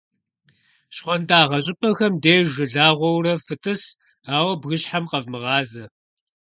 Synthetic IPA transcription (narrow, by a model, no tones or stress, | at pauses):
ɕχʷɔndaːʁɐɕ̬ʼɪpʼɐxɐmdeːʒɨɮaːʁʷɔwrɐfɨtʼɨs | aːwɐbɣɨɕħamqɐvmɨʁɑːzɐ